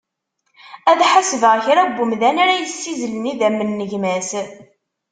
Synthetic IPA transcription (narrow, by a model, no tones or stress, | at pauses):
æðħasəvəʁçɾæbʷːʊmðænaɾæjsːizləniðæmːənːəʝmæs